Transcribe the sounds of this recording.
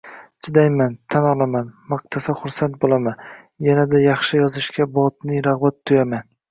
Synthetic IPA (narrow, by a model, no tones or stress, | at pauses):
t͡ʃʰɪd̪ajmant̪ʰanɒlˠamanmɑq̚t̪ʰasaχʊɾsant̪̚bolˠaman | janad̪ajɑχʃɪjɒzɪʃkʲabɒt̪nɪɾɑʁbat̪ʰːʊjaman